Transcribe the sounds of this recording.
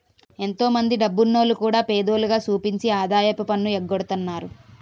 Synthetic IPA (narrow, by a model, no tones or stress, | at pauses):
e̞nt̪o̞ːmɐnd̪iɖɐbːunːo̞ːlukuːɽaːpeːd̪oːluɡaːsuːpiɲt͡ʃiaːd̪aːjɐpɐpɐnːueɡːoɽut̪unːaːɾu